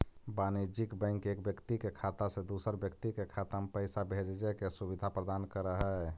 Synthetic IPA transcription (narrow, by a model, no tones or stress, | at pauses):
banid͡ʒikbə̃ɪŋkekbjəkt̪ikekʰat̪asẽd̪usəɾbjək̚t̪ikekʰat̪ampəɪsabʱed͡ʒd͡ʒɛkesubid̪ʱapɾəd̪ankəɾəɦɛ